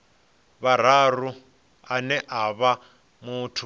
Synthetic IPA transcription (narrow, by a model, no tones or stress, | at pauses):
βaɾ̤aru | anɛʔaβa | mutʰu